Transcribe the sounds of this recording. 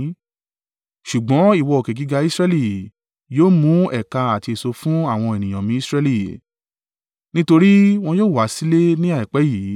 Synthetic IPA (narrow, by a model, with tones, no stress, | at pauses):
ʃu˨ɡ͡bɔ̃˨˦i˦˨wɔ˧ɔ˨ke˨ɡi˨˧ɡa˧i˦sɾɛ˧li˦˨ | joː˦mũ˨˦ɛ˦˨ka˧a˨ti˧e˨so˧fũ˦a˦˨w̃ɔ̃˧e˨nĩ˨j̃ã˨mĩ˧˦i˦sɾɛ˧li˦˨ | nĩ˦to˧ɾi˦w̃ɔ̃˧joː˦˨wa˨˦si˦le˦nĩ˦a˦˨i˨k͡pɛ˨˦jiː˨˦